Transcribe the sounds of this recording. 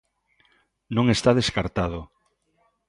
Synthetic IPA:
nõŋest̪aðeskaɾt̪aðo

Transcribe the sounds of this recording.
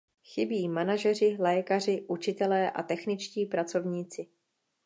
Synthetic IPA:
xɪbiːmanaʒɛrɪlɛkar̝ɪʔut͡ʃɪt̪ɛlɛːʔa̰t̪ɛxnɪt͡ʃciːpɾat͡so̞vɲiːt͡sɪ

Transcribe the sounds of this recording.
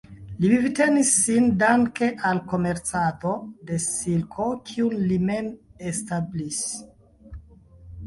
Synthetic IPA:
livivite̞nisːindaŋke̞ʔalko̞me̞ɾt͡sato̞de̞silkʰo̞kʰiunlime̞mestablis

